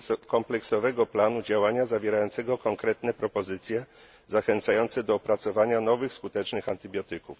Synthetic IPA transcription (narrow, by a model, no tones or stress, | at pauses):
kɔmplɛksɔvɛɡɔplanud͡ʑawaɲazavʲjɛɾajɔnt̪sɛɡɔkɔŋkɾɛt̪nɛpɾɔpɔzɘt̪sʲjɛ | zaxɛnt̪sajɔnt̪sɛd̪ɔːpɾat̪sɔvaɲanɔvɘxskut̪ɛt͡ʂnɘxant̪ɘbʲjɔt̪ɘkuf